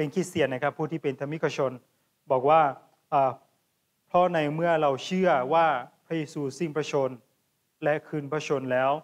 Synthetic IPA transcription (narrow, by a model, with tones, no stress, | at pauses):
e˧nkʰiː˧˩si˨˩əna˧˥˩kʰa˧˥pʰːuː˥˩t̪ʰiː˥˩pe˨nt̪ʰa˧mi˦˥kʰːa˧t͡ɕʰo˧n | bɔː˨˩k̚waː˥˩ | ʔaː˧˩ | pʰɾɔ˦˥na˧jmɯ˥˩ɐɾa˧wt͡ɕʰɯ˥˩ɐwaː˥˩pʰa˧jeː˧suː˧˩si˧˩ŋpʰa˧t͡ɕʰo˧n | lɛ˦˥kʰɯː˧npʰa˧t͡ɕʰo˧nlɛː˦˥w